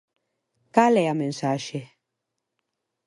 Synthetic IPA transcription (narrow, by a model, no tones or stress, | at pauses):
kalɛjamɛn̩saʃɛ